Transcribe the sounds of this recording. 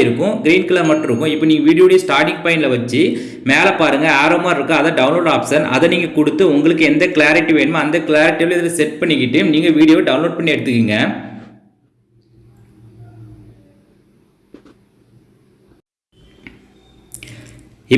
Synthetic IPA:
ɪɾɯkːʊ̃ɡɪɾiːnkɪlɐːɾmɐʈːɪɾɯkːʊ̃ɪpːɐːniːŋɡɐʋiːɽɪjoːɽijɐsʈaːɾʈɪŋɡ̚pɐɪnɪlɐʋɐt͡ʃːi | meːlɐpaːɾɯŋɡɐaːɾoːmaːɾɪɾɯkːɯ̃ɐðɐɖɐʊnloːɖaːpsɐnʔɐ̰ðɐniːŋɡɐkʊɽɯt̪ːɯʊŋɡɐɭɯkːɯɛnd̪ɐkɪɭaːɾɪʈːiʋeːɳɯmɐnd̪ɐkɪɭaːɾɪʈːiʋɪlɪðɪlɐsɛʈpɐɳːɪkːɪʈːɯniːŋɡɐʋiːɽɪjoːʋɖɐʊnloːɖpɐɳːiɛɽɯt̪ːɯkːiːŋɡɐ | ɪ

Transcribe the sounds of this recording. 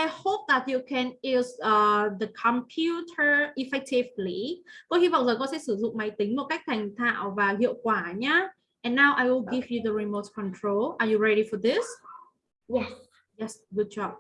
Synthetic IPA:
ajhop̚d̪ɛt̚jukʰɛ̃nisʌdəkʰɔ̃mpʰjutʰəifajtʰeflibɔhivazəɡɔsesuzuk̚majt̪ɪ̃ŋmokak̚t̪ʰɛ̃ŋt̪ʰãɔfaɦiəkwaɲa | ʔɛ̃nːawʔajwɪlɡivjudəɹimotkʰɔ̃ntʰɹolajuɹɛɾifɔd̪ɪs | jɛs | jɛsɡud̚d͡ʒɔp̚

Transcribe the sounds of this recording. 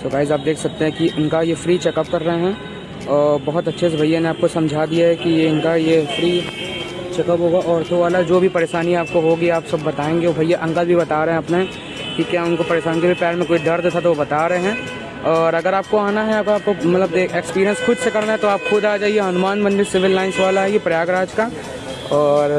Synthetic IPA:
sokaːɪzaːp̚d̪eːkʰsɐk̚t̪ẽɦɛ̃kiʔʊnkajefɾiːt͡ʃɛkəp̚kɐɾːəɦeɦɛ̃ː | ɔːɾbɐɦʊt̪ɐtːʃʰes̬ebʱɐjaneaːp̚kosɐ̃md͡ʒʱaːd̪ijaɦɛkiɪnkajefɾiː | t͡ʃɛkəpɦoːɡaʔɔːɾt̪ʰoʋaːlad͡ʒoːbʱipɐɾeːʃaːniaːp̚koɦoːɡiaːpsɐbːɐt̪aːẽːŋɡeobʱɐjaʔɐ̃ŋɡəlbʱibɐt̪aːɾɐɦɛ̃ɐpne | kikjaːʊnkopɐɾeːʃaːnikebʱipɛːɾmẽkoːiɖɐɾd̪eːt̪ʰat̪oʋobɐt̪aːɾɐɦeɦɛ̃ː | ɔːɾɐɡəɾaːp̚koaːnaɦɛaːp̚kaːp̚komɐt̪ləb̚d̪eːkʰekspiːɾijə̃nsxʊd͡ʒsekɐɾnaɦɛt̪oaːpxʊd̪aːd͡ʒaːieɦɐnʊmaːnbɐ̃nd̪isɪʋɪlːaːɪnsʋaːlaɦɛjepɾɐjaːɡɾaːd͡ʒka | ɔːɾ

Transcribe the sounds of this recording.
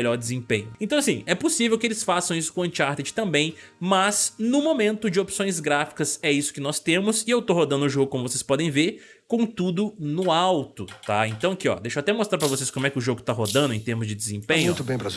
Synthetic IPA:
ʎɔɾd͡ʒɪzẽpẽɲʊẽt̪ɐ̃w̃ɐasĩɛposivewkɪelɪsfasɐ̃w̃isʊ̥kõɐ̃t͡ʃaɾt̪ed͡ʒɪ̥t̪ɐ̃mbẽj̃mɐznʊmomẽnt̪ʊd͡ʒɪopsõj̃zɡɾafi̥kɐzɛisʊ̥kɪnɔst̪ẽmʊsɪewt̪oɦod̪ɐ̃nd̪ʊʒoɡʊkõmʊvosespɔd̪ẽj̃veɾ | kõt̪ud̪ʊnʊawt̪ʊt̪aẽnt̪ɐ̃w̃ɐkiɔ̰d̪ejʃoat̪ɛmost̪ɾap̬ɾɐvoseskõmʊɛkɪʊʒoɡʊt̪aɦod̪ɐ̃nd̪ʊẽj̃t̪eɾmʊzd͡ʒɪd̪ɪzẽpẽɲʊ̃t̪ʊbẽj̃pɾɐ

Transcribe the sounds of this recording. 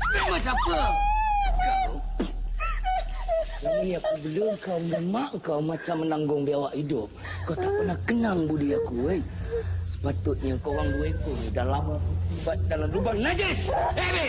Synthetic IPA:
emat͡ʃapəa | kaw | anijakubəlʊŋkawnəmaʔŋkawmat͡ʃamːənaŋɡʊŋbiawaʔhidʊp̚ | kat̪apənahkənaŋbudiakuejsə̥pat̪ʊt̪̚ɲəkoɣaŋduekunidalambadalamɾubaŋnad͡ʒɪsebe

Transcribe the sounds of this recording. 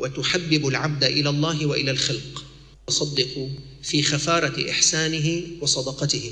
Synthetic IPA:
wat̪ʊħabːɪbʊlʕab̚d̪aʔɪlaːlˤːɑːɦɪwaʔɪlalxalq | sˤɑd̪ːɪqʊ | fiːxafɑːɾˤɑʔɪ̰ħsaːnɪɦɪwɑsˤɑd̪ɑqɑt̪ɪhɪ

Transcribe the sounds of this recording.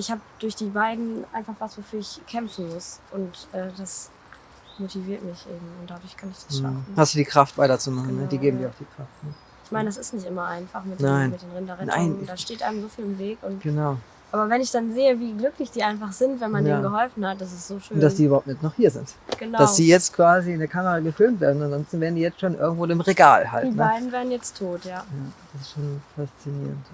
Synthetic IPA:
ʔɪçhaːbəd̥ʊɐçd̥iːbaɪdn̩ʔa̰ɪnfaχv̥asv̥ofyːɐɪçkʰɛmfn̩mʊsʔʊntʔɛːdas | motiviːɐtmɪçʔeːbm̩ʊnt̚d̥adʊɐçkʰanɪçd̥ḁssʃa̰fn̩hasd̥uːdiːkʁ̥aftv̥aɪtɐt͡sumaχn̩nəd̥iːɡeːbm̩diɐaʊd̥iːkʁ̥aftnə | ʔɪçmaɪnədas̬ɪstnɪçtʔɪmɐʔaɪnfaχmɪt̚dnaɪnmɪt̚d̥eːnʁɪndɐʁɛna̰ɪndaʃteːtʔaɪəmzoːfiːlɪmveːkʊntɡ̥ənaʊ | ʔaːbɐvɛnɪçd̥anzeːəviːɡlʏklɪçd̥iːʔaɪnfaχz̥ɪntvɛnmaniːnɡəɦɔlfn̩hat̚d̥as̬ɪstz̥oːʃøʊnːd̥asd̥iːybɐhaʊpt̚mɪtnɔχhiːɐzɪ̰ntɡ̥ənadasʊd̥iːjɛt͡stkv̥aːziɪndeɐkʰaməʁaɡəfɪlmtv̥eːɐdn̩anzɔnstn̩veːʁn̩diːjɛt͡stʃoːnʔɪ̰ɐɡŋ̩tv̥oːdɪmʁeɡaːlha̰ldiːnbaɪdn̩veːɐʁn̩jɛt͡stʰːoːtjaːjaːd̥asɪ̥stʃoːnfast͡sinḭːʁənt

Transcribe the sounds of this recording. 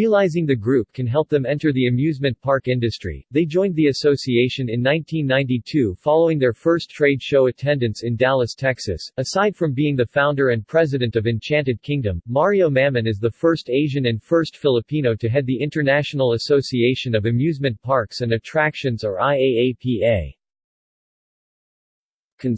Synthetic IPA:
ɹiəlaɪzɪ̃ŋðɨɡɹʉp̚kʰɨ̃nɦɛlˠp̚ðɨ̃mɛ̃ntə˞ðiɨmjʉzmɨ̃npʰɑɹkɪ̃ndɨstɹ̥ḭðeɪd͡ʒɔ̃ɪ̃nðiɨsoʊsieɪʃɨ̃nɨ̃nːãɪ̃ntʰĩnːãɪ̃ntitʰʉfɑlˠoʊɪ̃ŋðə˞fɜ˞stʰɹ̥eɪdʃoʊɨtʰɛ̃ndɨ̃ntsɨ̃ndælˠəstʰɛksɨ̰sɨsaɪd̥fɹʌ̃mbiɪ̃ŋðɨfãʊ̃ndə˞ɨ̃npʰɹ̥ɛzɨɾɨ̃ntʌvɨ̃nt͡ʃʰæ̃ntɨd̚kʰɪ̃ŋdɨ̃mːɑɹioʊmæmɨ̃nɨzðəfɜ˞steɪʒɨ̃nɨ̃nfɜ˞stfɪlˠəpʰĩnoʊɾɨɦɛd̪̚ðiɪ̃ntə˞næʃn̩l̩ˠəsoʊsieɪʃɨ̃nʌvɨmjʉzmɨ̃npʰɑɹksɨ̃nɨtʰɹ̥ækʃɨ̃nzə˞aɪeɪeɪpʰieɪ | kʰɨ̃n

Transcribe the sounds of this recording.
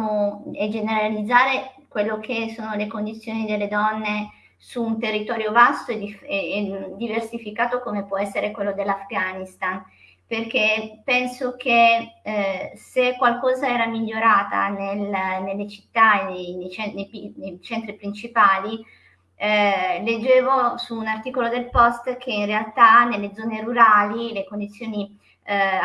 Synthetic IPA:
oed͡ʒeneɾalid̪zːaːɾekwelːokʰesːoːnolekond̪it̪sːjoːnid̪elːed̪ɔnːe | suːnt̪erːit̪ɔːɾjovast̪oed̪i | d̪ːiversifikaːt̪okomepwɔɛsːeɾekwelːod̪elːafɡanist̪an | perkepɛnsok̟e | sekːwalkɔːzaɛːɾamiʎːoɾaːt̪a̰nelnelːet͡ʃi̥t̪ːaenejnejt͡ʃɛnejpinejt͡ʃɛnt̪ɾipɾint͡ʃipaːli | led͡ʒːeːvosuːnart̪iːkolod̪elpɔst̪k̟ʰeinrealt̪anelːed̪zɔːneɾuɾaːlilekond̪it̪sːjoːni

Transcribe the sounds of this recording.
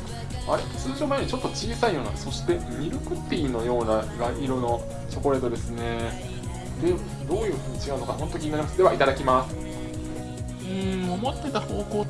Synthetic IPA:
a̰ɾe̞t͡sɨːɕo̞ːbaeɲ̟it͡ɕo̞t̪ːo̞t͡ɕiːsaijo̞ːna̰̥so̞ɕi̥t̪e̞ | mʲiɾɯ̟kɯ̟t̪ːeiːno̞jo̞ːnaɡaiɾono | t͡ɕo̞ko̞ɾe̞d̪od̪e̞sɨne̞ | d̪e̞ | d̪o̞ːjɯ̟ːɸɯ̟ːɲ̟it͡ɕiɡaɯno̞kahont̪okʲinaɾʲimasd̪e̞βait̪ad̪akʲimasɨ̥ | ɯ̟̃ɴomo̞t̪ːe̞t̪aho̞ːko̞ː

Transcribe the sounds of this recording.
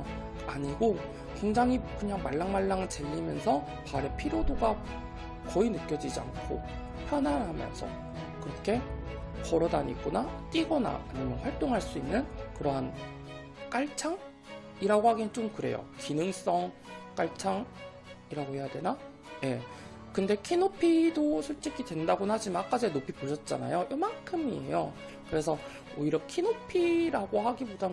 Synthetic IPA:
aɲiɡo | kwe̞ŋd͡ʑaŋɦikɯɲaŋmaɭːaŋmaɭːaŋɯɭt͡ɕeʎːimjʌnsʰʌ | paɾe̞pʰiɾodoɡa | kʌinɯk͈jʌd͡ʑid͡ʑia̰ŋkʰo̰ | pʰjʌnanɦamjʌ̰nsʰʌ̰ | kɯɾʌkʰe̞pʌɾʌdaɲḭɡ͈onat͈iɡʌna̰aɲimjʌnɸwaɭt͈oŋɦaɭs͈uinːɯnkɯɾʌɦan | k͈aɭt͡ɕʰaŋ | iɾaɡohaɡint͡ɕ͈omkɯɾe̞̰jo̰kinɯŋs͈ʌŋk͈aɭt͡ɕʰaŋ | iɾaɡohe̞jadwe̞na | je̞̰ | kɯnde̞kʰinopʰidosʰuɭt͡ɕ͈ikʰidwe̞ndaɡonɦad͡ʑimanak͈ad͡ʑenopʰipoɕʰʌt̚t͡ɕ͈a̰na̰jojʌmakʰɯmie̞̰jo | kɯɾe̞sʰʌ | oiɾʌkʰinopʰiɾaɡohaɡiboda

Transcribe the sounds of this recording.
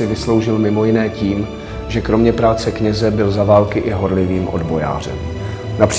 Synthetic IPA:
ɪvɪslo̞wʒɪlmɪmo̞jɪnɛːciːm | ʒɛkɾo̞mɲɛpɾaːt͡sɛkɲɛzɛbɪlzavaːlkɪʔɪɦo̞ɾlɪviːmʔo̞dbo̞ja̰ːr̝ɛ̰m | napr̥

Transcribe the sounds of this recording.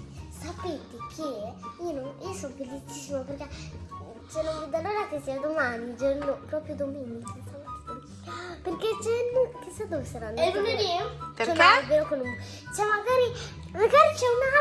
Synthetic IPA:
sapet̪ekʰeionoiosonofelit͡ʃisːimoperke | t͡ʃenõŋud̪alːoɾakesiad̪omanid͡ʒoɾnopɾɔpɾjod̪ominito | perket͡ʃenːokesad̪ovesaɾanːmeneoɾt͡ʃɛeobeokonumo | t͡ʃɛmaɡaːɾi | maɡaɾit͡ʃɛuna

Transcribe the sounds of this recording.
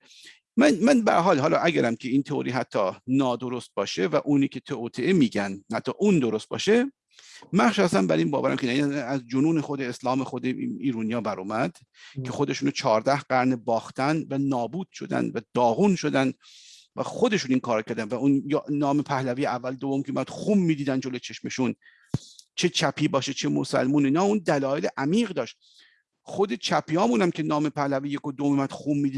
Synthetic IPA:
mænmænbæ̰ɾɦɒːlɦɒːlɒːʔæɡæɾæmcʲʰeiːnt̪ʰeo̰ɾiːɦæt̪ʰːɒːnɒːd̪oɾost̪̚bɒːʃevæʔuːniːkʲʰe̞t̪ʰeot̪ʰeʔemiːɟænhæt̪ʰːɒːʔuːnd̪oɾost̪̚bɒ̰ːʃe | mæχʃæst̪æmbæ̰ɾiːnbɒːvæɾæmkʰʲenæinæzd͡ʒonuːnexod̪e̞eslɒːmexod̪eiːɾunijɒːbæɾuːmæd̪̥ | kʰe̞xod̪e̞ʃuːnot͡ʃʰɒːɾd̪æhɢæɾnebɒːxt̪ʰænvænɒːbuːd̪̥ʃo̞d̪æ̰nd̪væd̪ɒːɣuːnʃod̪ænd̪ | væxod̪e̞ʃuniːŋkʰɒːɾɑcʰæɾd̪ænvæunjnɒːmepʰæhlæviːjeævːæld̪ovomkʲʰeumæd̪̥xumːiːd̪iːd̪ænd̪d͡ʒolo̞t͡ʃʰe̞ʃme̞ʃun | t͡ʃʰe̞t͡ʃʰæpʰiːbɒːʃet͡ʃʰemosæ̰lmuːniːnɒːund̪ælɒːjeleʔæmiːɣd̪ɒːʃt̪̚ | χod̪e̞t͡ʃʰæpʰijɒːmuːnæmcʰe̞nɒːmepʰæhlæviːjekod̪oomimæd̪̥xuːmːiːd̪i

